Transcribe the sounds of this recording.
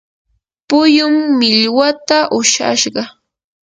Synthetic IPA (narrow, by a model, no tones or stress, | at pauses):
pʊjʊmːɪʎwat̪aʔʊʃa̰ʃɢɑ